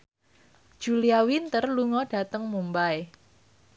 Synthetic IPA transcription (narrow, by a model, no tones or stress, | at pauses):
d̥ʒ̥uliawint̪ərluŋɔɖ̥a̤t̪əŋmumbae